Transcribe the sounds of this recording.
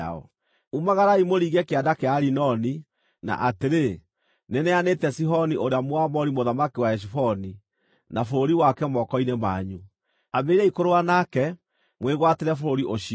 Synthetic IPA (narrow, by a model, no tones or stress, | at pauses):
a̰ɔ̰ | umaɣaɾaimoɾiːɣɛkeadakeaɾinɔni | na̰ʔateɾe | nenɛanetɛsiɦɔniʔoɾeamoamɔɾimoðamakiwaɛʃ̬ifɔni | nafoɾoɾiwakɛmɔkɔinemaːɲu | ameiɾɛikoɾoanakɛ | mweɣwateɾɛfoɾoɾiʔoʃi